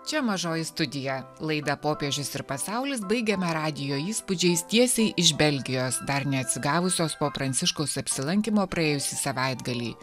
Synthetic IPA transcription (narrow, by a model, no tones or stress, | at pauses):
t͡ʃʲɛmɐʒoːjɪst̪ʊd̪ʲɪjɛlˠɐɪd̪ɐpoːpʲiɛʒʲʊsɪɾpɐsɑʊlʲɪs̬bɐɪɡʲɛmɐɾɑːd̪ʲɪjoːiːspʊd͡ʒʲɛɪst̪ʲiɛsʲɛɪʔɪʃbʲɛlʲɡʲɪjoːsd̪ɐɾnʲɛɐt̪ʲsʲɪɡɑːʋʊsʲoːspoːpɾɐnʲt̪sʲɪʃkoʊsɐpʲsʲɪlˠɐŋʲkʲimoːpɾɐeːjʊsʲiːsɐʋɐɪd̪ɡɐlʲḭː